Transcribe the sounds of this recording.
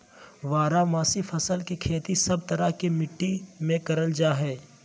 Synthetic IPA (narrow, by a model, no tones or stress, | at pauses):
ʋaːɾamaːsifʰɐsəlkekʰeːt̪isɐb̚t̪ɐɾakemɪʈːimẽkɐɾəld͡ʒaːɦɛː